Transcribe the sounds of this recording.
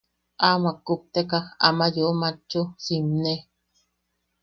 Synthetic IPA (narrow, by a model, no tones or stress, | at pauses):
ʔamakːup̚t̪ekaxa̰majoʔumat͡ʃːusimne